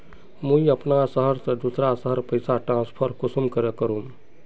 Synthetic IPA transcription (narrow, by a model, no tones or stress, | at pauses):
mũjəpnasəɦəɾsəd̪usɾasəɦəɾpəjsaʈɾãnspʰəɾkusumkəɾekəɾũm